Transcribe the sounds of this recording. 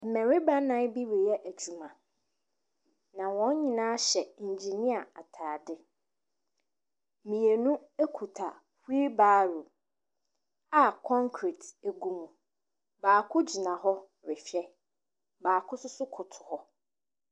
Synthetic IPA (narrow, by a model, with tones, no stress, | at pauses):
m̩˨mɛ̃˨ɾɪ˦ba˦nã˦bi˦ɾi˨jɛ˦ʔæ˨t͡ɕʰu˨mã˨ | nã˨wɔ̃˨˦n˦ɲĩ˨nã˦ɕɛ˨i˨ɲ˨d͡ʑi˨nĩ˦a˨a˨tʰaː˨dɪ˦ | mĩ˨e˨nũ˦e˦kʰu˨tʰa˨ | hi˦baː˦ɾu˨ | a˦kʰɔ̃˦ŋkʰɾi˨tæ˨ɡũ˨mũ˨ | baː˨kʰʊ˦d͡ʑi˨nã˨ɦɔ˦ | ɾɪ˨fɛ˦ | baː˨kʰʊ˦sʊ˦sʊ˦kʰʊ˨tʰʊ̥˨hɔ˦